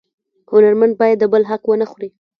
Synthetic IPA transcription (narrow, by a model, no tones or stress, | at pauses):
hʊnaɾmand̪̚bɑjad̪ːəbəlɦaqwənəxuɾi